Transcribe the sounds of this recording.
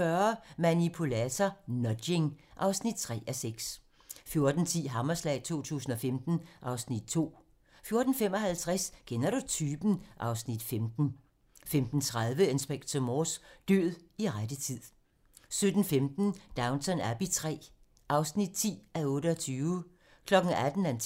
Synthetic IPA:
fɶɐmænipʰulæt͡sʰɐnɒde̝ŋʔɑ̈ʊsnid̥̚t͡sʰʁɛ̰ːʔæseɡ̥s | fjo̝ɐd̥n̩t͡sʰḭːɦɑmɐslɛ̰ɪt͡sʰo̝̰ːt͡sʰṵːsn̩ɒ̽femd̥n̩ʔɑ̈ʊsnid̥̚t͡sʰo̝̰ː | fjo̝ɐd̥n̩fem̰ɒ̽ɦælt͡sʰʁɛsɡkʰenɐɾ̥ut͡sʰyːb̥n̩ʔɑ̈ʊsnid̥femd̥n̩ | femd̥n̩t͡sʰʁaðˠʋəensb̥eɡ̥t͡sʰɒmɒːsd̥ø̰ð̩ˠiʁadət͡sʰið̰ˠ | sød̥n̩femd̥n̩d̥ɑ̈ʊnt͡sʰɒnæɐb̥it͡sʰʁɛ̰ː | ʔɑ̈ʊsnid̥̚t͡sʰḭːæɔ̽ːɾəɒt͡sʰyːʊ | kʰlɒ̽ɡ̥n̩æd̥n̩æn

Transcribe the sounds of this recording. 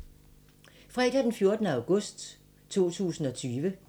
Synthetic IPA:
fʁɛd̥æd̥enfjo̝ɐd̥nəɑ̈ʊɡ̥ɔ̽sd̥ | t͡sʰo̝̰ːt͡sʰṵːsn̩ɒ̽t͡sʰyːʋə

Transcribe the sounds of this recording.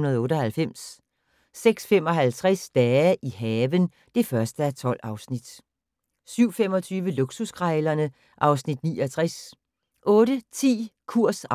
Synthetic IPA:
nɐð̩ˠɔ̽ːɾɒhælfem̰sː | eɡ̥sfem̰ɒ̽ɦælt͡sʰʁasd̥ɛːʔiɦɛːʋən | d̥e̝fɶɐsd̥əæɐt͡sʰɒ̽l̰ɑ̈ʊsnid̥ | syʊ̰fem̰ɒ̽t͡sʰyːʋəluɡ̥susɡ̥ʰʁɑlɐnə | ʔɑ̈ʊsnid̥nḭːɒ̽t͡sʰʁɛs | ʔɔ̽ːɾ̥ət͡sʰḭːkʰuɐ̰s

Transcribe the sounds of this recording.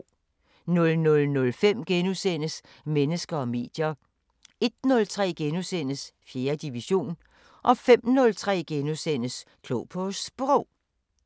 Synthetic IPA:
nɔ̽lnɔ̽lnɔ̽lfem̰ɡ̥enusen̰əs | menəsɡ̥ɐɒ̽me̝̰ːd̥jɐ | e̝d̥nɔ̽lt͡sʰʁɛ̰ːɡ̥enusen̰əsfje̝ːɐd̥iʋiɕo̝̰ːn | ʔɒ̽fem̰nɔ̽lt͡sʰʁɛ̰ːɡ̥enusen̰əskʰloːpʰɔsb̥ʁɔʊ̰

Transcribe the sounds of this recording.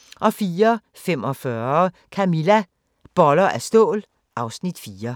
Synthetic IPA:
ʔɒ̽fiːɐ | femɒ̽fɶɐkʰæmilæ | b̥ɒlɐʔæsd̥ɔ̰ːl | ʔɑ̈ʊsnid̥fiːɐ

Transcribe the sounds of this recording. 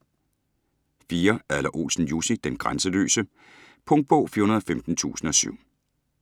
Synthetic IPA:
fiːɐælɐʔo̝̰ːsn̩jusid̥enɡ̥ʁansəlø̰ːsə | pʰɔ̽ŋd̚b̥o̰ːfiːɐhunɐðˠɒ̽femd̥n̩t͡sʰṵːsn̩ɒ̽sy̰ʊ̰

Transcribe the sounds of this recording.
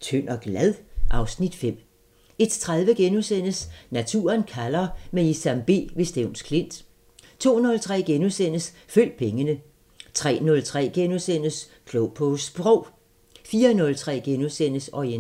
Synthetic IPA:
t͡sʰøn̰ɒ̽ɡ̥læðˠʔɑ̈ʊsnid̥fem̰ | e̝d̥t͡sʰʁað̞ˠʋəɡ̥enusen̰əsnæt͡sʰṵːɐnkʰælɐmeisæmb̥e̝̰ːʋe̝sd̥eʊnskʰle̝n̰d̥ | t͡sʰo̝̰ːnɔ̽lt͡sʰʁɛ̰ːɡ̥enusen̰əsføl̰d̥̚pʰeŋənə | t͡sʰʁɛ̰ːnɔ̽lt͡sʰʁɛ̰ːɡ̥enusen̰əs | kʰlɔʊpʰɔsb̥ʁɔʊ̰ | fiːɐnɔ̽lt͡sʰʁɛ̰ːɡ̥enusen̰əsɒi

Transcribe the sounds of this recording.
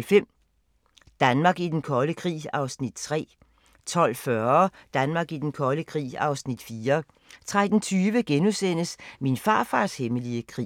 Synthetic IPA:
lfem̰ | d̥ænmɑ̈ːɡ̥id̥enkʰɒ̽ləkʰʁḭːɑ̈ʊsnid̥̚t͡sʰʁɛ̰ː | t͡sʰɒ̽l̰fɶɐd̥ænmɑ̈ːɡ̥id̥enkʰɒ̽ləkʰʁḭːɑ̈ʊsnid̥fiːɐ | t͡sʰʁad̥n̩t͡sʰyːʋəɡ̥enusen̰əsminfɑ̈ːfɑ̈ːsheməliəkʰʁḭː

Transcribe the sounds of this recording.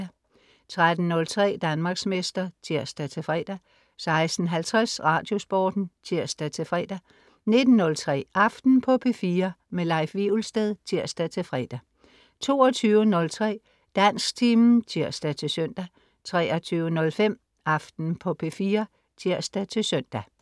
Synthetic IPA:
t͡sʰʁad̥n̩ːɔ̽lt͡sʰʁɛ̰ːd̥ænmɑ̈ːɡ̥smesd̥ɐt͡sʰiɐ̰sd̥æt͡sʰe̝fʁɛ̰ːd̥æ | sɑ̈ɪsd̥n̩ɦælt͡sʰʁasʁɑ̈d̥jo̝sb̥ɒːd̥n̩t͡sʰiɐ̰sd̥æt͡sʰe̝fʁɛ̰ːd̥æ | ne̝d̥n̩ːɔ̽lt͡sʰʁɛ̰ːɑ̈fd̥n̩pʰɒ̽pʰe̝fiːɐmelɑ̈ɪfʋiulsd̥eðˠt͡sʰiɐsd̥æt͡sʰe̝fʁɛ̰ːd̥æ | t͡sʰo̝̰ːɐt͡sʰyːʊənɔ̽lt͡sʰʁɛ̰ː | d̥æn̰sɡ̥t͡sʰiːmn̩t͡sʰiɐ̰sd̥æt͡sʰe̝søn̰d̥æ | t͡sʰʁɛːɐt͡sʰyːʊənɔ̽lfem̰ | ɑ̈fd̥n̩pʰɒ̽pʰe̝fiːɐ | t͡sʰiɐsd̥æt͡sʰe̝søn̰d̥æ

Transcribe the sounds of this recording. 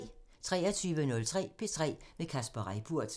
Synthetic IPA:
t͡sʰʁɛ̰ːɐt͡sʰyːʋənɔ̽lt͡sʰʁɛ̰ːb̥e̝t͡sʰʁɛ̰ːʋekʰæsb̥ɐʁaɪb̥ʰuɐ̰d̥

